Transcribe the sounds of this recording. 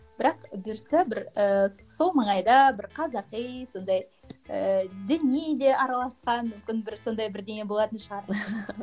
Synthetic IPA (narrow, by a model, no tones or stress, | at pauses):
b̥ɪɾɑqbʏɾsæbɪɾəso̞lˠməɴɑjd̪ɑbɪɾqʰɑzɑqijso̞nd̪ɑj | əd̪ɪnijed̪e̞ʔɑɾɑlˠɑsqɑnmʏmkʲɪnbɪɾso̞nd̪ɑjbɪɾd̪eŋʲe̞bo̞lˠɑt̪ənʃəʁɑɾ